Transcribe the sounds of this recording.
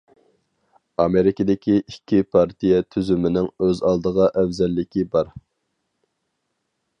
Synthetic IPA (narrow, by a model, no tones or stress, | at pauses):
ɑmeɾɪkʲid̪ɪkʲʰiʔikʲʰːipʰɑɾt̪ʰijɛt̪ʰyzymɪnɪŋøzɑlˠd̪əʁɑʔɛvzɛlːɪkʲibɑɾ